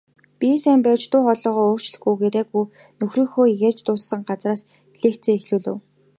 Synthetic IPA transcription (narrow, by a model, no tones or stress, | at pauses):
pʲisæːmpæwt͡ɕt̪ʊːχɔɮɞːʁɔːoːr̥t͡ɕɮɘ̆xɡujɡeɾeːɡuj | nɵxriːŋxoːjert͡ɕt̪ʊːsːə̆ŋɢat͡sraːs | ɮeːkt̪t͡seːŋexɮuːɮɘ̰̆w